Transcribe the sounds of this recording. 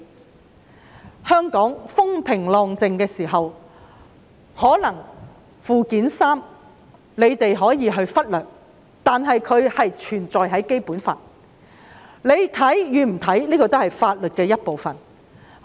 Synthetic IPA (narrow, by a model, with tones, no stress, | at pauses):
hœː˥ŋkɔː˨˥ŋfʊ˥ŋpʰɪ˨˩ŋlɔː˧ŋt͡sɪ˨ŋkɛː˧siː˨˩ɦɐ˨w | hɔː˨˥lɐ˨˩ŋ | fuː˨kiː˨˥nsaː˥m | le˨˧jt̪e˨jɦɔː˨˥jiː˨˧ɦɵ˧ɥfɐ˥t̚lœː˨k̚ | t̪aː˨nɦɐ˨jkʰɵ˨˧ɥhɐ˨jt͡ʃʰyː˨˩nt͡sɔː˨jɦɐ˨˥jke˥jpuː˨˥nfa̰ː˨ | le˨˧jt̪ʰɐ˨˥jjyː˨˧m̩˨˩t̪ʰɐ˨˥jliː˥kɔː˧t̪o˥whɐ˨jfaː˧t̚lɵ˨t̚kɛː˧jɐ˥t̚po˨wfɐ˨n